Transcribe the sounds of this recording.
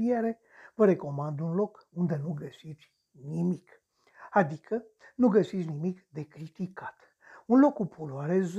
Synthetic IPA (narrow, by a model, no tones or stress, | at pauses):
ieɾe̞ | vəɾe̞ko̞mand̪unlo̞kund̪e̞nuɡəsit̪sʲ | nimik | ad̪ikʰə | nuɡəsit̪sʲnimikd̪e̞kɾit̪ikat̪ | unlo̞kːupʰuluaɾez